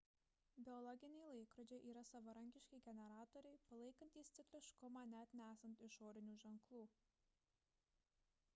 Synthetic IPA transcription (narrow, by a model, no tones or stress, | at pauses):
bʲɪɔlˠɔɡʲɪnʲɛɪlˠɐɪkɾɔd͡ʒʲeɪʔiːɾɐsɐʋɐɾɐŋʲkʲɪʃʲkʲɛɪɡʲɛnʲɛɾɑːt̪ɔɾʲɛɪpɐlˠɐɪkɐnʲt̪ʲiːst̪sʲɪk̪ʲlʲɪʃkʊmɑːnʲɛɐt̪ʲnʲæːsɐnt̪ɪʃoːɾʲɪnʲuːʒʲɛŋklˠuː